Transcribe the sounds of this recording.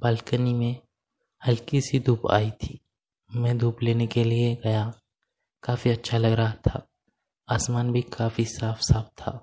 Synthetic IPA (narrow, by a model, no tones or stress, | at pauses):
baːlkənimẽ | hɐlkisid̪ʱuːpa̰ːit̪ʰiː | mɛ̃d̪ʱuːpleːnekelieɡɐja | kaːfiɐtːʃʰalɐɡɾɐɦat̪ʰa̰ː | aːsmaːnbʱikaːfisaːfsaːft̪ʰːa̰ː